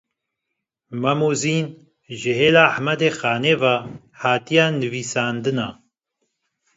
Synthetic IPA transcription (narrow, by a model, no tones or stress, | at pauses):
mɛmuːziːn | ʒɨɦeːlaːħmɛd̪eːxaːneːvaː | haːt̪ijaːnɨviːsaːnd̪ɨnaː